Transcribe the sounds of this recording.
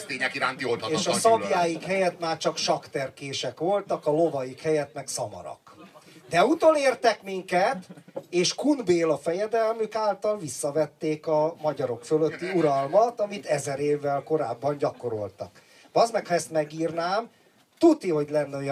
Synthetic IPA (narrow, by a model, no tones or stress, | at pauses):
t̪eːɲɛkiɾaːnt̪ioleːʃɒsɒjaːjikhɛjɛt̪maːrt͡ʃɒkʃɒkt̪ɛrkeːʃɛkʋo̞lt̪ɒkɒlovɒjikhɛjɛt̪mɛksɒmɒ̰ɾɒ̰k | d̪ɛut̪oneːrt̪ɛkmiŋkɛt̪eːʃkunbeːlɒfɛjɛd̪ɛlmykaːlt̪ɒlvisːɒvɛt̪ːeːkɒmɒɟɒɾo̞kføløt̪ːiuɾɒlmɒt̪ɒmit̪ɛzɛɾeːvːɛlko̞ɾaːbːɒɲɟɒko̞ɾo̞̰lt̪ɒ̰k | vɒzmɛkhɒɛst̪mɛɡiːrnaːm | t̪ut̪ːiɦo̞ɟlɛnːɛo̞j